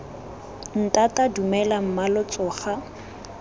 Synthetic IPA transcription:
n̩tatʼadumɛlam̩malɔt͡sʼɔːχa

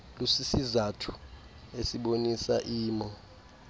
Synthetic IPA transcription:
lusisizatʰu̥ | esiɓonisa̰ʔiːmɔ

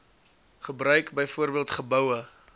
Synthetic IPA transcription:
χəbrœɥkbəjfuərbiəlˠtχəbəwə

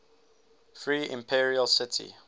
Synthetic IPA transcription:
fɹiːɪ̰̃mpʰiɹiəlsɪtʰḭ

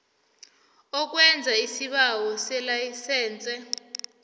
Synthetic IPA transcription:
ɔk̬wɛnd͡zʱaisiɓawɔsɛlajisɛːnt͡sʼɛ

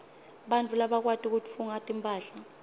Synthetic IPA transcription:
ɓant͡fʰʼulaɓak̬watʼik̬utʰʼfuŋatʼimpʼaːɬa

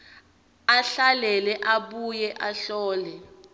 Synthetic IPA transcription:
aɬalɛlɛʔaɓujɛʔaɬɔːlɛ

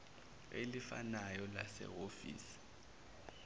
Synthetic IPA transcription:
elifa̰najɔlasɛ̰ɦofḭːsi̥

